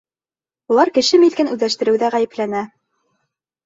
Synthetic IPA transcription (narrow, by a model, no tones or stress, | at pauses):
ulˠɑɾkɘ̆ʃɘmit̪kænʉðæʃt̪ɘ̆ɾɘ̆wðæʁæjɘ̆plænæ